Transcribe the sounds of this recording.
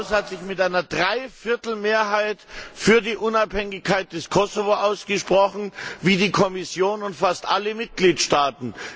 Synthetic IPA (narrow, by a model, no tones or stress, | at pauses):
shatz̥ɪçmɪtʔaɪnɐdʁaɪfɪɐtl̩meːɐɦaɪtfyːɐdiːʔʊnaphɛŋɪçkʰːaɪt̚d̥ɛskʰɔsovoʔaʊsɡ̥əʃpʁ̥ɔxn̩viːdiːkʰɔmɪsjoːnʊntfastʔa̰ləmɪt̚ɡ̥liːtʃtaːtn̩